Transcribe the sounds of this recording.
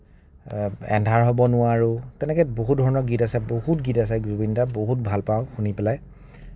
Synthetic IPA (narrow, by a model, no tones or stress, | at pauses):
ɛ̰ndʱaɹɦɔbɔnʊwaɹutɛnɛkɛboɦut̚dʱɔɹɔnɔɡitasɛbohutɡitas̬ɛɡɹubindaboɦut̚bʱalpaʊ̃xunipɛlaj